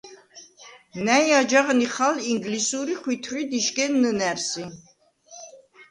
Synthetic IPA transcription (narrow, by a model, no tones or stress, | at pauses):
næjad͡ʒaʁniχaliŋɡlisuɾiχwit̪ʰɾid̪iʃɡɛnːənæɾsi